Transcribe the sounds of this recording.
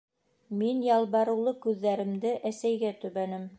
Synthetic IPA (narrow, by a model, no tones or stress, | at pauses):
minjɑlˠβɑɾɤ̆wlˠɤkʉðːæɾɘ̆md̪ɘʔæsæjɡæt̪ɵ̆βænɘm